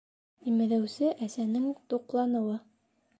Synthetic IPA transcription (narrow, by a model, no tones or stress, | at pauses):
imɘ̆ðæwsɘʔæsænɘŋt̪uqlˠɑnɤ̆wɤ